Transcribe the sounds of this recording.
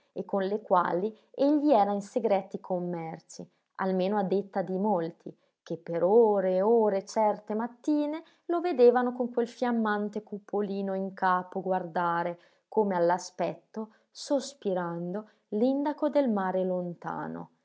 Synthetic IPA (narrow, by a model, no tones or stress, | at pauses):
ekːonlekwa̰ːli | eʎːiɛːɾainseɡɾɛːt̪ikʰomːɛrsi | a̰lmeːnoad̪ːet̪ːad̪imolt̪ʰi | k̟epːeɾoːɾeoːɾet͡ʃɛrt̪emat̪ːiːne | loved̪eːvanokoŋkwelfjamːant̪ekupʰːoliːnoiŋkaːpoɡward̪aːɾe | koːmealːaspɛt̪ːo | sospiɾand̪o | lind̪akod̪elmaːɾelont̪a̰ːno̰